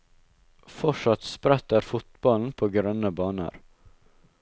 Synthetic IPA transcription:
fɔʂɑt̪spɾɛt̪əɾfʊt̪bɑln̩pʰoːɡɾœnəbɑːnə̰ɾ

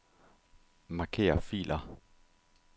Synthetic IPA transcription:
mɑ̈kʰe̝̰ːɐfḭːlʔɐ

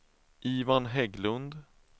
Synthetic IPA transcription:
ʔiːvanɦɛɡlɵnd̪

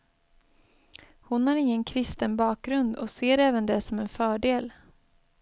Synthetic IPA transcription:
hʊnhæɾɪŋːənkʰɾɪst̪ənbɑːk̚ɡɾɵnd̪ɔ̰seːɾɛːvənd̪ɛsɔmɛnfœːɖeːl

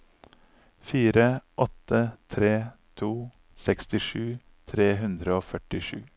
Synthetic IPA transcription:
fiːɾəʔɔt̪ət̪ʰɾeːt̪ʰuː | sɛkst̪ɪʃʉː | t̪ʰɾeːɦʉnd̪ɾəoːfœʈɪʂʉ̰ː

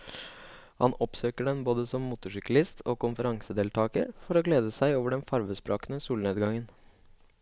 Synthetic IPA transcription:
hɑ̰nɔpsøːkəɖɛnboːd̪əsɔmːuːt̪ʊʂʏkɑlɪst̪ʰoːkʊnfəɾɑŋsəd̪eːlt̪ʰɑːkə̰ɾfɔɾoːɡleːd̪əsæɪoːʋəɖɛnfɑɾʋəspɾɑːkənəsuːlneːd̪ɡɑŋən

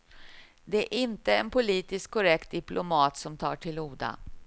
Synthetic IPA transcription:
d̪ɛæɾʔɪnt̪əɛnpʊliːt̪ɪskkʰːɔɾɛkt̪̚d̪ɪplʊmɑːt̪sɔmt̪ʰɑːʈʰɪluːd̪a̰

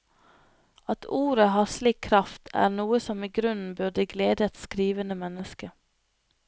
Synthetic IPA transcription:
ɑt̪ʰuːɾəhɑːsliːkʰɾɑft̪ʰæ̰ːɾnuːəsɔmiːɡɾʉn̩bʉd̪əɡleːd̪əɛt̪skɾiːʋənəmɛnəskə

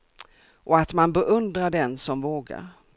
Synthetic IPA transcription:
ʔɔat̪manbɛʔɵnd̪ɾaɖɛnsɔmvoːɡa̰ɾ

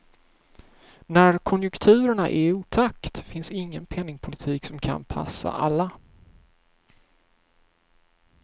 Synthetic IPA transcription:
næɾkʰɔnjɵkt̪ʰʉ̟ːɾəɳa̰ʔɛɾuːt̪ʰakt̪fɪnsɪŋːənpʰɛnːɪŋpʰʊlɪt̪ʰiːksɔmkʰa̰npʰa̰sːa̰ʔalːa

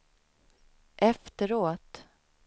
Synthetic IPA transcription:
ʔɛft̪əɾoːt̪

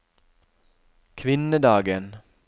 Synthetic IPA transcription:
kʰʋɪnəd̪ɑːɡən

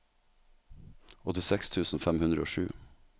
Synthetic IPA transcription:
ɔt̪ɪsɛkst̪ʰʉːsn̩fæmhʉnɾəoːʃʉ̰ː

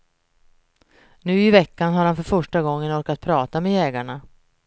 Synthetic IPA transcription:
nʉ̟ːɪvɛkːanɦaɾhanfœɾfœʂʈaɡɔŋːənɔɾkat̪̚pʰɾɑːt̪amejɛːɡaɳa

